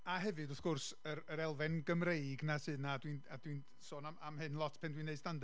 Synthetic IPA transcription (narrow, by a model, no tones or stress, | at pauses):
aɦɛvɨdɔθɡ̥ʊrsəɾəɾɛlˠvɛnɡəmrejɡnasɨːdnadwinadwin | soːnaamɦɨnlˠɔtʰpʰɛndwiːnːeɨdstand